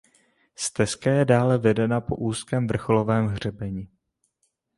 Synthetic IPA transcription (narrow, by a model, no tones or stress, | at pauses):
st̪ɛskajɛdaːlɛvɛdɛnapo̞̰ʔuːskɛːmvr̩xo̞lo̞vɛːmɦr̝ɛbɛɲɪ